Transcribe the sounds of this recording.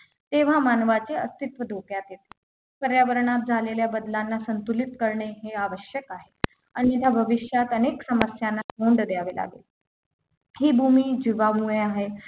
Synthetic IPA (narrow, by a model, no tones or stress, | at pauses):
t̪eʋ̤amanʋat͡seəst̪it̪ʋəd̪ʱokjat̪jet̪e̥ | kəɾjaʋəɾɳat̪̚d͡zʱaleljabəd̪lanːasənt̪ulit̪kəɾɳeɦeaʋəɕjəkaɦe | añiit̪jabʱəʋiɕjat̪əneksəməsjanːaɦond̪d̪jaʋela̰ɡḛl | hiːbʱumiːd͡ʑiʋamueaɦe